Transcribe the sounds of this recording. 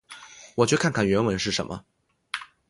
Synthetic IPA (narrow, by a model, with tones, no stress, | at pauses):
wɔ˨˩t͡ɕjkʰa˥˩nŋkʰa˥˩nɥɛ˧˥nwə˧˥nʂɻ̩˥˩ʂə̰˧˦nmʔə̰˧